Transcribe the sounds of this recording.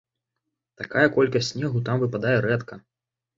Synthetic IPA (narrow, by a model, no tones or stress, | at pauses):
t̪akajɐkɔlʲkɐsʲtʲsʲnʲɛɣut̪amvɨpad̪ajɛɾɛt̪kɐ